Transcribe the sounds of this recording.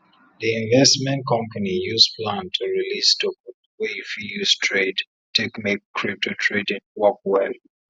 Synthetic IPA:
ðiĩɱvɛstmɛ̃n̚kʰɔ̃mpanijuzplãntʰuɹilisdɔk | wejfijuz̥tʰɹed | tʰɛkmek̚kʰɹip̚tʰotʰɹedĩnwɔkwɛl

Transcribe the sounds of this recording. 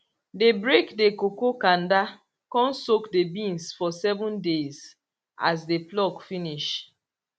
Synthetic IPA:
debɹekdekokokãn̩da | kɔ̃n̩sokdebĩnsfɔsɛvʊ̃ndez | a̰s̬deplɔkfiniʃ

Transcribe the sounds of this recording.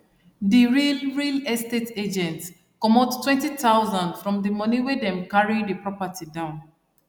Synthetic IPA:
diɹilɹilɛsteted͡ʒɛ̃nts | kɔmɔttːwɛ̃ntitaʊzãndfɹɔ̃mdimʌniwedɛ̃mkaɹidipɹɔpatʰidãʊ̃n

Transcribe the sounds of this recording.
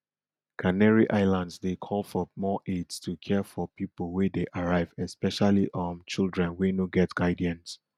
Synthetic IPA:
kʰanɛɹiʔaɪlãndsdekʰɔlˠfɔmɔʔedstʰukʰɛfɔpʰipəl̩ˠwɛdeʔaɹaɪvɛspɛʃaliʔɔ̃nt͡ʃilˠdɹɛ̃nwenoɡɛtɡ̥aɪdiãns

